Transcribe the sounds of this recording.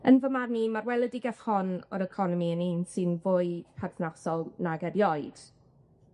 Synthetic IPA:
ənvəmarnimarwɛlˠədɪɡaθhɔnɔ̰ɾəkʰɔnɔmiəniːnsɨnvʊːɨpʰarθnasɔlˠnaɡɛrjɔɨd̥

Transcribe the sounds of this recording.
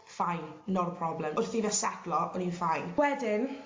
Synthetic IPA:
fajnnɔɾpʰrɔblɛmʊrθivɛsɛdlɔɔninfajnwɛdɪn

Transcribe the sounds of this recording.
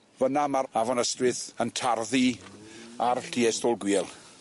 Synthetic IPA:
vənamaavɔnəstwɪθəntʰarði | arɬtʰiɛstɔlˠɡwiːlˠ

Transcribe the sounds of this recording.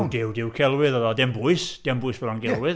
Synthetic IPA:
dɪwdɪwkʰɛlˠwɪðəðɔdɛmbʊɨsd̥ɛmbʊɨsvɛɾɔnɡɛlwɪð

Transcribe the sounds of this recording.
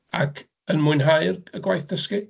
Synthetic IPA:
a̰kʰ | ənmʊɨnɦaɨrəɡwajθd̥əski

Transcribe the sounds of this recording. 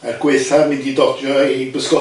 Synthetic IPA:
arɡ̥weɬamɪndidɔdɔibəskɔ

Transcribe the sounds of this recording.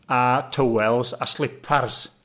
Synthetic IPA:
atʰəwɛlˠza̰slˠɪpʰars

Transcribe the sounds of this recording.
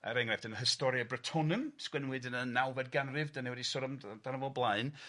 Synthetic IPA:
a̰ɾɛŋrɛfd̥ənəɦəstɔɾjabrətʰɔnɨmskwɛnwɨdənənːawvɛd̚ɡanrɨvdaniwɛdisɔɾɔmd̥anəvɔlˠblˠaɨn

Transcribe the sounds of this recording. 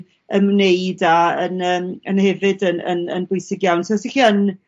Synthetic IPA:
ənneɨdaənəːmənhɛvɨdənə̰nə̰nbʊjsɪɡjawntʰsixiən

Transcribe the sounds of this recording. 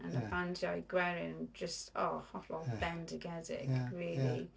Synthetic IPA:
ə̃nəbãntʰiaɪɡwɛɹɪnə̃nd͡ʒəstʰɔːhɔtlɔb̥ɛndəɡɛzɪ̰kɹɪːli

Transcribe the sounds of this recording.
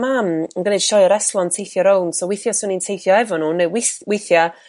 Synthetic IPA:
mamənɡənɨd̥ʃɔjəɾɛslˠɔntʰejθjɔɾɔlˠnsɔwejθjɔsʊnintʰejθjɔɛvɔnuːnewɪθwejθja

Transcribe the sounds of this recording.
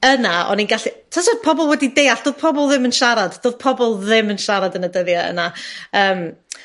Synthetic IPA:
ənaɔ̰ninɡaɬitʰɔsɔ̥pʰɔbɔlˠwɛdidejaɬd̥oːð̥pʰɔbɔlˠðɪmənʃaɾadd̥oːðpʰɔbɔlˠðɪmənʃaɾadənədəðjaə̰naəːm

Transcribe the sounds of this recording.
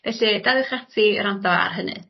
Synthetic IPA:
vɛɬɨdawɪχatʰiɾandɔa̰a̰rɦənɨ̰

